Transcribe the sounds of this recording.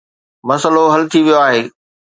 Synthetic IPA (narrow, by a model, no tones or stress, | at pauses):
mɐsəloɦɐlt̪ʰiʋijoaːɦeː